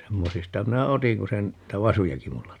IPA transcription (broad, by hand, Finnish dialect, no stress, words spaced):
semːosistɑ minæ otiŋ ku se n niˑtæ ʋɑsujɑki mulːɑ